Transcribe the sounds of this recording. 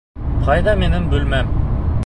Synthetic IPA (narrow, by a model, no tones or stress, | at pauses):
qʰɑjd̪ɑmenɪmbʉlmæm